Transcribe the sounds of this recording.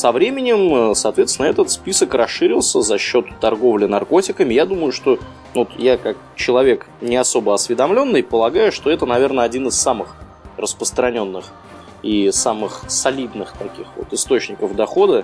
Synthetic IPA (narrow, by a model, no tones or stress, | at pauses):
sɐvɾʲemʲɪnʲɪmsɐːt̪vʲet̪sʲnɛt̪ət̪spʲisəkrɐsːɨɾʲɪlˠsʲəzɐɕːo̞t̪ːɐrɡo̞vlʲɪnɐrko̞tʲɪkəmʲɪjad̪uməjʊʂt̪o̞ | ot̪jakak̚t͡ɕɪlˠɐvʲe̞k | nʲɪɐso̞bəɐsvʲɪd̪ɐmlʲo̞nːɨjpəlˠɐɡajʊʂt̪o̞ɛt̪ənɐvʲe̞rnəɐdʲinɨsːamɨx | rəspɾəst̪ɾɐnʲo̞nːɨx | isamɨxsɐlʲid̪nɨxt̪ɐkʲixvo̰t̪ɨst̪o̞t͡ɕnʲɪkəvd̪ɐxo̞d̪ə